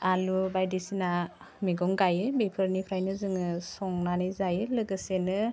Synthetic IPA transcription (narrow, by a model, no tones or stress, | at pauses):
alubajdisina | miɡɔŋɡajɯbepʰɯɾnipʰɾajnɯzɯŋɯsɔŋnanɯjzajɯlɯɡɯsenɯ